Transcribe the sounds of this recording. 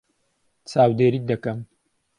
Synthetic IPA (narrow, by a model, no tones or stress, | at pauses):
t͡sʰaːwd̪eːɾiːd̪ɐkɐm